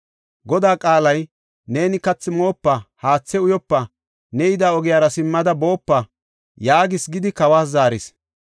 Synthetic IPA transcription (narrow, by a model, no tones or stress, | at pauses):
ɡɔd̪aːkʼaːlɐj | ne̞ːnɪkɐt͡sːɪmo̞ːpːɐhaːt͡sːɛʊjɔpːɐ | nɛjɪd̪aːɔɡɪjaːɾɐsɪmːɐd̪ɐboːpːɐ | jaːɡɪsɡɪd̪ɪkɐwaːs̬zaːɾɪs